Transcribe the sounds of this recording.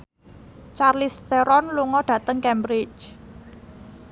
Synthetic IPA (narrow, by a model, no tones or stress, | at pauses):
t͡ʃarlist̪ɛɾɔnluŋɔɖ̥ä̤t̪əŋkɛmbɾɪt͡ʃ